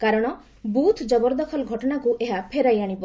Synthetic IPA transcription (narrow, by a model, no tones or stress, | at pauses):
kaɾɔɽ̃ɔ | but̪ʰd͡ʒɔbɔɾd̪ɔkʰɔlɡʱɔʈɔɽakuʔeɦapʰeɾajaɽ̃ipɔ